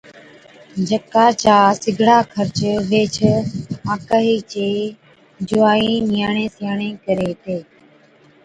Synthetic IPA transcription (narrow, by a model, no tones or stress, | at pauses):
d͡ʒəkaːt͡ʃaːsɪɡʱɽaːkʰəɾt͡ʃʋeːt͡ʃʰaːkaːɦiːt͡ʃeː | d͡ʒʊaːiːnɪjaːɳẽːsjaːɳẽːkəɾeːt̪eː